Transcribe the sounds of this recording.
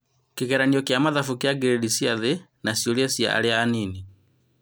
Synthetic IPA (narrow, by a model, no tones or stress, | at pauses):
kiɣɛɾaniɔkjamaðafukiaɡɛɾɛdisiaðɛnasiɔliasia̰ʔa̰lɛaːnini